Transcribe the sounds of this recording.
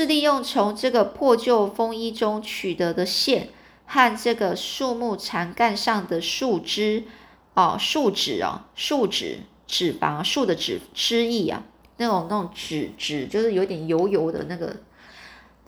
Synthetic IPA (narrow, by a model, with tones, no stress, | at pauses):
ʂɻ̩˥˧li˥˧jʊ˥˩ŋt͡sʰʊ˧˥ŋʈ͡ʂɤ˥˩ɡə˩pʰwɔ˥˧t͡ɕjo˥˩ʊfɤ˥ŋi˥ʈ͡ʂʊ˥ŋt͡ɕʰy˨˩t̪ɤ˧˥d̪ə˧ɕjɛ˥˩n | xa˥˧nʈ͡ʂɤ˥˩ɡə˩ʂu˥˧mu˥˩ʈ͡ʂʰa˧˥nka˥˧nʂɑ˥˩ŋd̪ə˩ʂu˥˩ʈ͡ʂɻ̩˥ | ɐ˩ʂu˥˩ʈ͡ʂɻ̩˨˩ɐ̰˨˩ʂu˥˩ʈ͡ʂɻ̩̰˨˩ | ʈ͡ʂɻ̩˨˩fɑ̰˧˥˦ʂu˥˩d̪ə˦ʈ͡ʂɻ̩˨˩ʈ͡ʂɻ̩˥i˥˩ɐ̰˨˩ | na˥˩ɡ̪ŋʈ͡ʂɻ̩˨˩ʈ͡ʂɻ̩˨˩t͡ɕjo˥˧ʂɻ̩˥˩jo˧˥ʊ˥˧t̪jɛ˨˩njo˧˥ʊjo˧˥ʊd̪ə̰˧na˥˩ɡə̰˩